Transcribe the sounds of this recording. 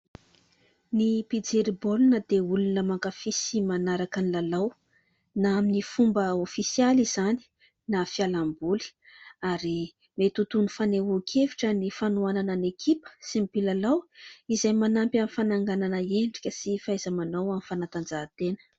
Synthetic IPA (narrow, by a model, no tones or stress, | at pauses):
nipid͡zeɾibolunəd̪eulunəmaŋkafisimanaɾakanilalaw | naaminifumbəofisializ̥ani̥ | nafialambuli̥ | aɾi | met̪ut̪unufaneukʲʰeviʈ͡ʂənifanuananənekʰipə̥simipilalawizajmanampjamifanaŋɡananəeɳɖ͡ʐikʲəsifajzəmanawamifanat̪and͡zaːt̪enə̥